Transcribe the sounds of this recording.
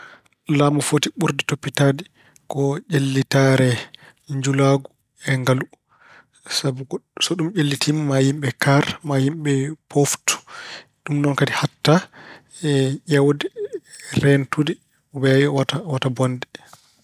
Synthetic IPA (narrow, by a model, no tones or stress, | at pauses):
lamɔfotiɓuɾditopːitadi | kɔd͡ʒelːitaɾɛ | ɲd͡ʒulaɡu | ɛŋɡalu | sabusɔɗumʔelːitimːajimɓɛkaɾmajimɓɛpʰoftu̥ | ɗumnɔnkadihatːa | ɛʔawdɛɾɛntudi | wɛjwatawatabɔndɛ